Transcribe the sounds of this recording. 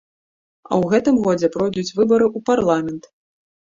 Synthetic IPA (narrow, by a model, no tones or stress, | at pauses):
ɐ̰wɣɛt̪ɨmɣɔd͡zʲɛpɾɔjd̪ut͡sʲvɨbɐɾɨʔuparlˠamʲɛnt̪